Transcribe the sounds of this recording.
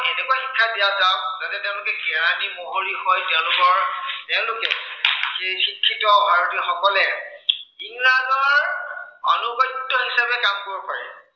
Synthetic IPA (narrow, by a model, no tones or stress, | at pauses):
enɛkwaxikʰːadiazazatɛtẽʊ̃lʊkɛɡɛɹantimoɦolihɔjtɛʊ̃lʊkɔɹtɛʊ̃lʊkɛexikʰːitɔbʱaɹɔtixɔkɔlɛ | iŋlazɔɹɔ̰nuɡɔjtːɔɦisabɛkamkoɹɔpaɹɛ̰